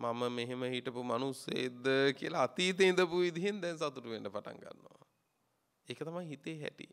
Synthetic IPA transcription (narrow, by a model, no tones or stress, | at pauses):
maməmeɦeməɦiʈəpumanusḛed̪əkiəlaːt̪iːt̪̬eind̪əpuʋid̪iɦend̪ɛnsat̪uʈuʋeɳɖəpaʈa̰ŋɡa̰nːoʋa̰ | ekət̪amajɦit̪eːɦæ̰ʈḭ